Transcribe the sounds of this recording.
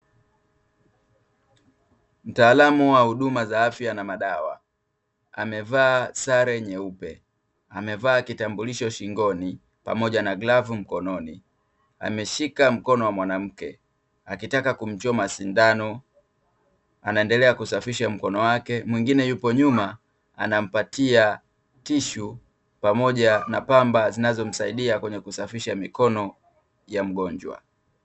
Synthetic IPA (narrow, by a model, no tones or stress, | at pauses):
m̩taːlamuwahuɗumazaːfjanamaɗawa̰ | a̰mɛvaːsaɾɛɲɛupɛ | amɛvaːkitambuliʃɔʃiŋɡɔni | pa̰mɔʄanaɡlavum̩kɔnɔni | a̰mɛʃikam̩kɔnɔwamwanam̩kɛ | akitakakum̩t͡ʃɔmasindanɔ | anaɛndɛlɛakusafiʃam̩kɔnɔwakɛmwiŋɡinɛjupɔɲuma | a̰nam̩patʰia | tiʃu | pamɔʄanapambazinazɔm̩saiɗiakwɛɲɛkusafiʃamikɔnɔ | jam̩ɡɔɲd͡ʒwa̰